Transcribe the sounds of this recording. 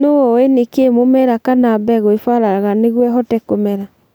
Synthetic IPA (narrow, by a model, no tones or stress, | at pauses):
noenekemomɛɾakanaːbɛɣoefaɾaɣaneɣwɛɦɔtɛkomɛɾa